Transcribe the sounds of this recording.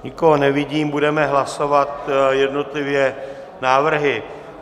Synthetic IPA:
ɲɪko̞ɦonɛvɪɟiːmbudɛmɛɦlaso̞vat̪jɛdno̞t̪lɪvjɛ | naːvr̩ɦɪ

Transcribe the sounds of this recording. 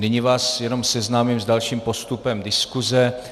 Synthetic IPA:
nɪɲɪvaːsjɛno̞msɛznaːmiːmzdalʃiːmpo̞st̪upɛmdɪskuzɛ

